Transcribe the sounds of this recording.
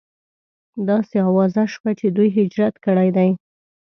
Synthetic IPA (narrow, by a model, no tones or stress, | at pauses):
d̪ɑseɑwɑzaʃwat͡ʃed̪ujɦɪd͡ʒɾat̪kəɽajd̪aj